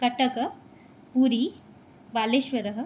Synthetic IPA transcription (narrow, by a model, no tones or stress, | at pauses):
kɐʈɐkɐ | puːɾiː | ʋaːleʃʋɐɾɐɦ̆